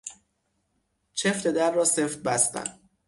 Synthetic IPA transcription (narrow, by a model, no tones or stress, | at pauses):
t͡ʃʰeft̪e̞d̪æɾːɒːseft̪̚bæst̪æ̰n